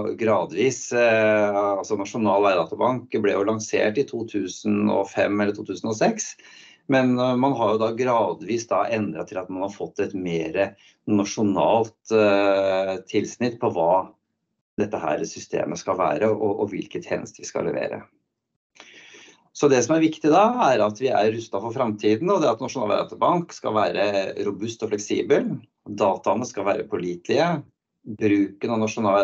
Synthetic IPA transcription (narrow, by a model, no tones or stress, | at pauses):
ɡɾɑːd̪ʋiːs | ɑlsɔnɑʂʊnɑːlʋæɪd̪ɑːt̪ʊbɑŋkblɛjʊlɑŋsḛːʈɪt̪ʰuːt̪ʰʉːsənɔ̰fɛmːɛlːəʈʰuːt̪ʉːsən̩ɔsɛks | mɛnmɑnɦɑɾjʊd̪ɑɡɾɑːd̪ʋiːsd̪ɑʔɛnd̪ɾɑt̪ʰɪlɑt̪mɑnhɑɾfɔt̪ːɛt̪meːɾə | nɑʂʊnɑ̰ːlt̪ | t̪ʰːɪlsnɪt̪̚pʰɔʋɑː | d̪ɛt̪ːəɦæ̰ːɾsʏst̪ḛːmʔəskɑlʋæ̰ːɾəʔɔʔɔʋɪlkət̪ʰhɛ̰ːnə̰st̪əʋɪskɑ̰lɛ̰ʋḛːɾə̰ | sɔd̪ɛsɔmæɾʋɪkt̪ɪd̪ɑæɾɑt̪ʋɪæ̰ɾːʉst̪ɑfɔɾfɾɑmt̪ʰiːd̪n̩ɔd̪ɛɑt̪nɑʂʊnɑ̰læ̰ɾɑ̰t̪əbɑŋkskɑ̰lʋæːɾʔəɾʊbʉst̪ɔflɛksḭːbəl | d̪ɑːt̪ɑnəskɑlʋæːɾəpʰɔliːt̪lɪə | bɾʉːkənɔnɑʂʊnɑː